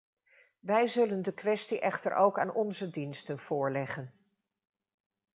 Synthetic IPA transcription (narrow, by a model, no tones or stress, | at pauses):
ʋɛjzɵləndəkʋɛstiʔɛχtə̰ɹʔo̰wka̰ːnʔɔnzədinstənv̥ʊːɹlɛχən